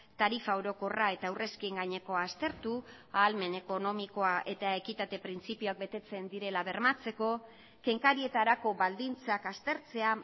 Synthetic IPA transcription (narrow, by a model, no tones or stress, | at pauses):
t̪aɾifaoɾo̞ko̞rae̞t̪awre̞skieŋɡaɲe̞ko̞ast̪e̞ɾt̪u | aːlme̞ne̞ko̞no̞miko̞aʔe̞t̪ae̞kit̪at̪e̞pɾint͡sipioak̚be̞t̪e̞t͡se̞nd̪iɾe̞laβe̞ɾmat͡se̞ko̞ | ke̞ŋkaɾie̞t̪aɾako̞βald̪int͡sakast̪e̞ɾt͡se̞a